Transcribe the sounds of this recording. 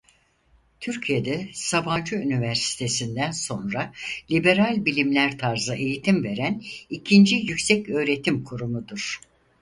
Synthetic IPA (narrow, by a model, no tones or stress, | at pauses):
t̪ʰyɾcʰijed̪ɛsaband͡ʒɯynivæɾsi̥t̪ʰe̞sind̪ænso̞nɾalʲibe̞ɾalʲbilʲimlʲæɾt̪ʰaɾzaʔe̞jit̪ʰimve̞ɾænicʰind͡ʒijycsɛcø̞ːɾe̞t̪ʰimkʰuɾumud̪uɾ̥